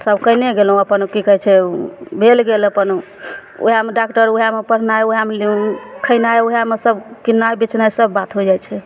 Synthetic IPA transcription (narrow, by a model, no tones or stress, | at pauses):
səbkəjneɡelɦũəpənukikəɦɛt͡ʃʰɛbʱelɡeləpənu | o̰ɦiameɖakʈəɾuɦamepəɾ̤ʰnajoɦameliũkʰəɪnajoɦiamesəbkinːaebit͡ʃnajsəbːat̪ɦod͡ʒajt͡ʃʰɛ